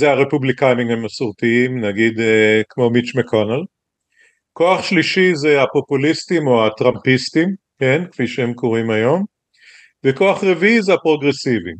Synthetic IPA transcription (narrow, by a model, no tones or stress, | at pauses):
zeaʁepublikajmimemasuʁt̪iimnaɡid̪ekmo̞mit͡ʃmekʰonal | ko̞aχʃliʃizeapo̞pulistimo̞at̪ʁampist̪im | kenkfiʃeemkoʁimajo̞m | veko̞aχʁeviizeapʁo̞ɡʁesivi